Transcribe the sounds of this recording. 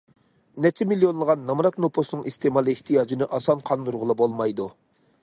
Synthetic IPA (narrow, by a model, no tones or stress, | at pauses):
nɛt̪ʰɪmilːijonlˠəʁɑnːɑmɾɑt̪nopʰosnɨŋist̪emɑlˠɨɪht̪ʰijɑːd͡ʒinɪʔɑsɑnqʰɑnd̪uɾʁʊlˠɑbolˠmɑjd̪u